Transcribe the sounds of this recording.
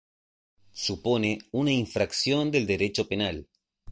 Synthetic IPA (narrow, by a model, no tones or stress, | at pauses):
suponeunaiɱfɾaksjo̞nd̪e̞ld̪e̞ɾe̞t͡ʃo̞pe̞nal